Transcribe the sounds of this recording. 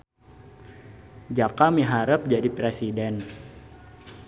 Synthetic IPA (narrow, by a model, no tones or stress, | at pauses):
d͡ʒakamiɦaɾəp̚d͡ʒadipɾesidɛn